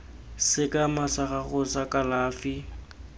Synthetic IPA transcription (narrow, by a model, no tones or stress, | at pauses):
sɪkʼamasaχaχʊsakʼalaːfɪ